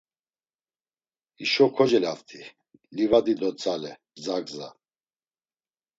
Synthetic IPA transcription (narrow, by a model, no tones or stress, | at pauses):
iʃɔkʰɔd͡ʒɛlaft̪ʰi | livad̪id̪ɔt͡sʼalɛbd͡zaɡza